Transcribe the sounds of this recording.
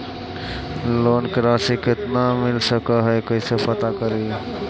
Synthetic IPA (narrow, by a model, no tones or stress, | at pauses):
loːnkɾaːsikɪt̪namɪlsəkaɦɛkəisepət̪akəɾe